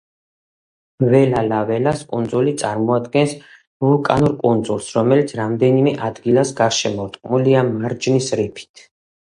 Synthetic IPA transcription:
vɛlalavɛlaskʼund̪zulit̪sʼaɾmɔad̪ɡɛns | vulkʼanuɾkʼund̪zulˠsɾɔmɛlit̪sʰɾamd̪ɛnimɛʔad̪ɡilasɡaɾʃɛmɔɾt̪ʼqʼmuliamaɾd͡ʒnisɾipʰi̥t̪ʰ

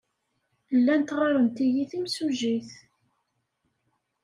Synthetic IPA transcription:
lːænt̪ʁɑɾˤənt̪ijiθimsuʒiθ

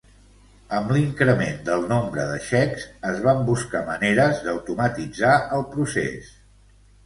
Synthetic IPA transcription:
əmliŋkɾəmend̪əlˠnombɾəðəʃɛkzəzβambuskaməneɾəzd̪əwt̪umət̪id͡zaəlˠpɾusḛs

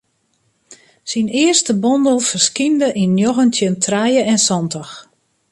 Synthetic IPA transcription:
sinɪərstəbɔndəlˠfərskindəʔinːjoɣəntʰjəntʰrɛjəɛnsɔndɔx

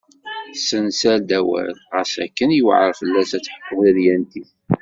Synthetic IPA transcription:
sənsæɾd̪æwæ̰lʁəsækːənjəw̰ʕəɾfəlːæsæt͡sːħə̥qːəðəðjænt̪iθ

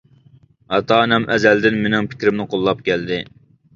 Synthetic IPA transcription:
ɑt̪ʰɑːnɛmʔɛzɛld̪ɪnmenɪŋpʰɪ̥kʲɾɪmnɪqʰolˠːɑp̚kʲɛld̪ɪ

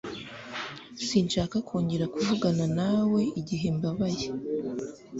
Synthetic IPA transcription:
siːnʃaːkakʰoːɲɟe̞ɾakuvuɡananawe̞iɟiɦe̞mbaβaje̞

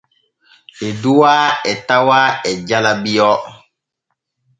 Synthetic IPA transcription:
eduwaːɛtawaɛɟalabijɔː

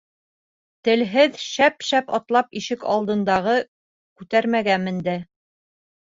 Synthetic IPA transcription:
t̪ɘ̆lɦɘðʃæpʃæpɑt̪lˠɑpiʃɘkɑ̰lˠd̪ɤ̆nd̪ɑʁɤ | kʉt̪æɾmæɡæmɘ̆nd̪æ

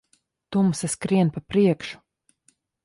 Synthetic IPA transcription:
t̪umsaskɾiɛnpapɾiɛkʃu̥

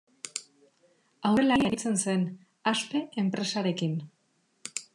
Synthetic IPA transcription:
awɾelajeɾit͡se̞nse̞n | aspe̞ʔempɾe̞saɾe̞kin

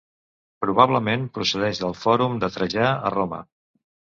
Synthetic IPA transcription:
pɾuβaβləmempɾusəðɛʒðəlˠfɔɾumd̪ət̪ɾəʒaə̰romə̰

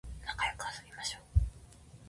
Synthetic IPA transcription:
nakajokɯ̟βasɨmʲimaɕo̥ː

